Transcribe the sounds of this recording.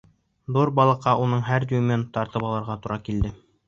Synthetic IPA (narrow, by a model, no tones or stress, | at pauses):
d̪uɾbɑlˠɤ̆qːɑʔunɤɴɦæɾd̪umʲent̪ɑɾt̪ɤpɑlˠɤ̆ɾʁɑt̪uɾɑkild̪ɘ